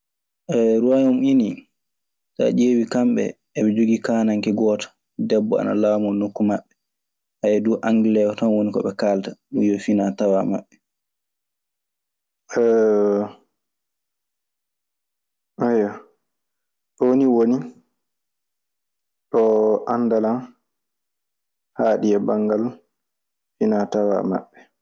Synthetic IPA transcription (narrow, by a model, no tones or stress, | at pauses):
ʔɛɾuwajɔmini | ta̰d͡ʒeːwikamɓɛ̰ː | ɓɛd͡ʒoɡikaːnaŋkɛɡɔtḁ | dɛbːɔa̰na̰laːmɔnokːumaɓːɛ | hajɛduʔaŋɡilɛwɔtanwonikɔ̰ɓɛkaltaɗujɔfinatawa̰ma̰ɓːɛ | ɛ | ʔajɔ | ɗɔniwoni | ɗɔʔanːdalan | haːɗiɛbaŋɡal | finatawa̰ma̰ɓːɛ